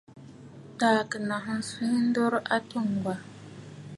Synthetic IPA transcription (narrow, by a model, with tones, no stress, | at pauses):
taː˨kɨ˨na˨ɦɨ˦n̩˦su˦ɲ˦n̩˦dɔ˦ɾʔa˦tu˦ŋ˨ɡ͡ba˨